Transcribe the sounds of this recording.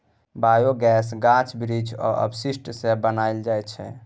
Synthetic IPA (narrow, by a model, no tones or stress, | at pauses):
bajoɡɛsɡãt͡ʃʰbɾid͡ʒɔ̰ʔə̰bsisʈsebənaɪld͡ʒajtt͡ʃʰɛ̰